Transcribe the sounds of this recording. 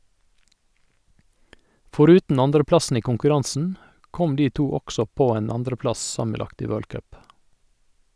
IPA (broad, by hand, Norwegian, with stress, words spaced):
fɔˈɾʉːtn̩ ˈɑndɾəˌplɑsn̩ ˈiː kʊŋkʉˈɾɑnsn̩ ˈkɔm ˈdiː ˈtuː ˈɔksɔ ˈpoː ˈeːn ˈɑndɾəˌplɑs ˈsɑməˌlɑkt ˈiː ˈʋøːɭ ˈkœp